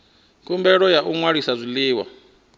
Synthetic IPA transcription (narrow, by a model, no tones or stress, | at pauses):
kʰʼumbɛɺɔjaʔuŋwaɾisazʷiliːwa̰